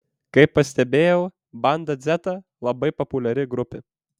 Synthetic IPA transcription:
kɐɪpːɐsʲt̪ʲɛbʲeːjɛʊ | bɐnd̪ɐd̪zʲɛt̪ɐ | lˠɐbɐɪpɔpʊlʲɛɾʲɪɡɾʊpʲɪ

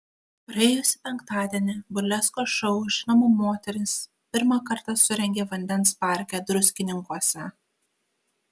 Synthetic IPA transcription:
pɾɐɛːjʊsʲɪpʲɛŋˑkt̪ɑːd̪ʲiɛnʲɪbʊlʲɛskoːʃɐʊʃʲnɐmʊmoːt̪ʲɛɾʲɪs | pʲɪɾmɑkɐɾt̪ɐsʊɾʲɛŋʲɡʲeːʋɐnʲd̪ʲɛnˑspɑˑɾʲkʲɛd̪ɾʊsʲkʲɪnʲɪŋkuɔsʲɛ

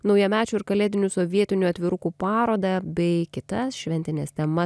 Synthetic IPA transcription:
nɒʊjɛmʲæːt͡ʃʲuːɪɾkɐlʲeːd̪ʲɪnʲuːsoʋʲiɛt̪ʲɪnʲuɐt̪ʲʋʲɪɾʊkuːpɑːɾoːd̪ɑbʲɛɪkʲɪt̪ɐsʃʲʋʲɛnʲt̪ʲɪnʲeːst̪ʲɛmɐ

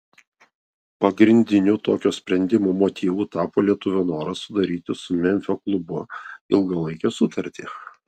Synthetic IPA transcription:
pɐɡɾʲɪnʲd̪ʲɪnʲut̪oːkʲoːsʲpʲɾʲɛnʲd̪ʲɪmuːmoːt̪ʲʰiːʋuːt̪ɑːpoːlʲiɛt̪ʊʋʲoːnoːɾɐsʊd̪ɐɾʲiːt̪ʲɪsʊmʲɛnʲfʲoklˠʊbʊɪlˠɡɐlˠɐɪkʲoːsʊt̪ɐɾʲt̪ʲiː

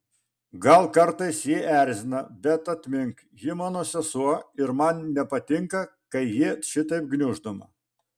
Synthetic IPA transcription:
ɡɐlˠkɐɾt̪ɐɪsjɪʔæˑɾʲzʲɪnɐbʲɛt̪ɐt̪ʲmʲɪŋk | jɪmɑːnoːsʲɛsuɔɪɾmɐnnʲɛpɐt̪ʲɪŋkɐkɐɪjɪʃʲɪt̪ɐɪp̚ɡnʲʊʒd̪omɐ̰

